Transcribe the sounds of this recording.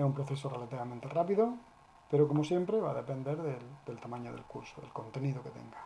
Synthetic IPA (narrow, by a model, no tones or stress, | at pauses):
aumpɾoθesore̞lat̪iβamẽnt̪erapiðo | peɾokomosje̞mpɾeβa̰ðepe̞nd̪e̞ɾðeld̪elt̪amãɲo̰ðḛlkṵɾsoðelkõ̞nt̪e̞niðoke̞t̪e̞̰ŋɡa